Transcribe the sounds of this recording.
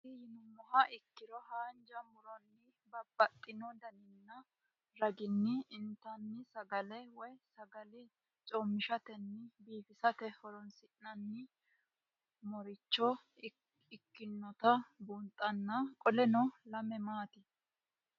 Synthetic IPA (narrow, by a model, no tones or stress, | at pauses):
ɪjɪnʊmːɔɦɐʔɪkːɪɾɔhaːnd͡ʒɐmʊɾɔnːɪ | bɐbːɐt̪ʼːɪnɔd̪ɐnɪnːɐ | ɾɐɡɪnːɪɪnt̪ːɐnːɪsɐɡɐlɛwɔjsɐɡɐlɪ | t͡ʃʼɔmːɪʃɐt̪ɛnːɪbiːfɪsɐt̪ɛhɔɾɔnsɪʔnɐnːɪ | mɔɾɪt͡ʃːɔ | ɪkːɪnːɔt̪ɐbunt̪ʼːɐnːɐkʼɔlɛnɔlɐmɛmaːt̪ɪ